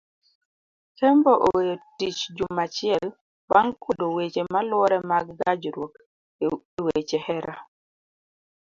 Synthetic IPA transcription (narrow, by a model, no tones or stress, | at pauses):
kɛmbɔʔɔwjɔtit͡ʃd͡ʒumːat͡ʃiɛl | baŋkudɔwet͡ʃɛmalwɔɾɛmaɡɡad͡ʒuɾwok | wet͡ʃɛhɛɾa